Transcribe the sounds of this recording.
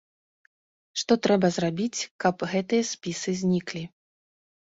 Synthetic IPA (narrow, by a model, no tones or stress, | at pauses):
ʂt̪ɔt̪ɾɛbɐzrabʲit͡sʲkɐpɣɛt̪ɨjɐsʲpʲisɨzʲnʲiklʲi